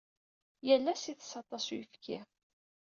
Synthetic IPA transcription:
jəlːæsiθə̥sɑt̪ˤɑsujəfkʰḭ

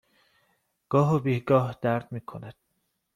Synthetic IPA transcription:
ɡ̥ɒːɦobiːhɡɒːhd̪̥æɾd̪̥̚miːkʰonæd̪̥

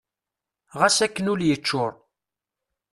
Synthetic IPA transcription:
ʁæsækːənuljət͡ʃːʊɾˤ

